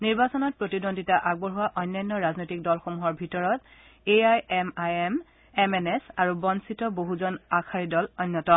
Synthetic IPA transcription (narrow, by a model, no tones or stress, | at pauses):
niɹbasɔnɔt̚pɹotidondʱitaʔaɡ̚bɔɹɦʊwaʔɔjnːɔnːɔɹaznojtik̚dɔlxomuɦɔɹbʱitɔɹɔt | eajɛmajem | ɛmɛnɛsaɹubɔnsitɔboɦuzɔnakʰaɹidɔlɔjnːɔtɔ